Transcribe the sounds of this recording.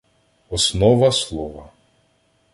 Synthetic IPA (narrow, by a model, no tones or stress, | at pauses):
ɔsnɔʋɐslˠɔʋɐ